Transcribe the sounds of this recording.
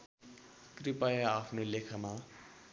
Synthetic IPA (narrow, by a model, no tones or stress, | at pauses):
kripajaːpʰnolekʰama